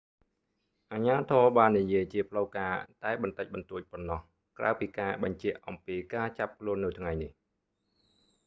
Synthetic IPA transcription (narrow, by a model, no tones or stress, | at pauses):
ʔaːɲaːt̪ʰɔːɓaːnːijiəjt͡ɕiəpʰləwkaːt̪aɛɓɑnt̪əc̚ɓɑnt̪uəc̚ponːɑh | kra̰əwpiːkaːɓɑɲt͡ɕɛ̆əʔʔɑmpiːkaːt͡ɕap̚kʰluənːɨwt̪ʰŋajnih